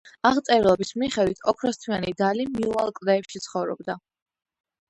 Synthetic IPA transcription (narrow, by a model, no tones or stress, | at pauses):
aʁt̪sʼɛɾlˠɔbismiχɛd̪wit̪ʰɔkʰɾɔst̪ʰianid̪alimiualˠkʼvd̪ɛːpʃit̪sʰχɔvɾɔ̰b̚d̪a